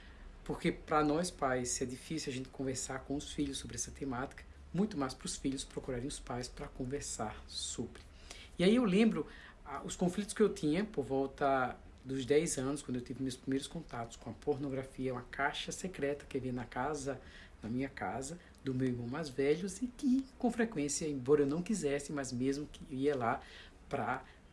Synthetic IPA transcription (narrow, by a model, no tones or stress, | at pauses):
poɾkepɾɐnɔjspajsːɪɛd̪ifisiwaʒẽnt̪ɪ̥kõveɾsaɾkõʊsfiʎʊsːobɾɪɛsɐt̪emat̪i̥kɐ̥ | mũj̃t̪ʊmajspɾʊsfiʎʊspɾokuɾaɾẽj̃ʊspajspɾɐkõveɾsaɾsobɾɪ | iaiewlẽmbɾʊ | aʊskõflit̪ʊ̥skɪewt̪ʰĩɲɐpoɾvɔwt̪ɐ | d̪ʊzd̪ɛjzɐ̃nʊskɐ̃nd̪ʊewt̪ivɪmewspɾimejɾʊskõnt̪at̪ʊ̥skõɐpoɾnoɡɾafiɐũmɐkajʃɐsekɾɛt̪ɐ̥kevĩɐnɐkazɐ | nɐmĩɲɐka̰zɐ | d̪ʊmewiɾmɐ̃w̃mazvɛʎʊzɪkɪkõfɾekwẽsjɐẽbɔɾɐewnɐ̃w̃kizɛsɪmɐzmezmʊkɪiɐla | pɾɐ